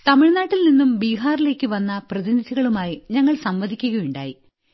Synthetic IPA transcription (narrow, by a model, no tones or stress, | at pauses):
t̪ɐmiɻnaːʈːilninːumbiːɦaːrile̞ːkːɨʋɐnːɐprɐðinid̪ʱiɣɐɭumaːjiɲɐŋːɐɭsɐmʋɐd̪ʱikʲːuɣɐjuɳɖa̰ːji